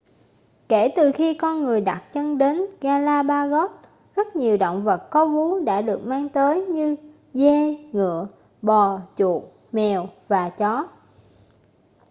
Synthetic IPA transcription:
ke˧˩t̪ɨ˨˩xi˧kɔ˧nŋɨ˨˩əjɗa˨˩t̚t͡ɕə˧nɗe˨˦nɣaː˧laː˧ɓaː˧ɣɔ˦˥t̚ | zə˦˥t̚ɲi˨˩əwɗo̰˧˨wŋ͡mvə˨˩t̚kɔ˨˦vu˨˦ɗa̰ː˧˥ɗɨ˨˩ək̚maː˧ŋt̪əː˨˦jɲɨ˧ | ze˧ŋɨ̰˧˨ə | ɓɔ˨˩t͡ɕṵ˨˩ək̚ | mɛ˨˩wvaː˨˩t͡ɕɔ˨˦

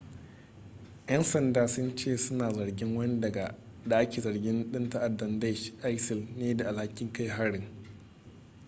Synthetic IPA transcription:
jɐ˦nsɐ˨ndaː˨sʊ˦nt͡ʃeː˦˨sʊ˦naː˨zɐ˨ɽɡʲɪ˦ŋwɐ˦ni˦dɐ˨ɡa˨ | da˨ʔa˦kʲeː˨zɐ˨ɽɡʲɪ˦nɗɪ˦nta˦ʔa˨dːɐ˨nda˦ʃʔa˦jsɪ˨lneː˦da˨ʔa˨lha˦kʲɪ˦ŋka˦jɦa˦ɽɪ˨ŋ

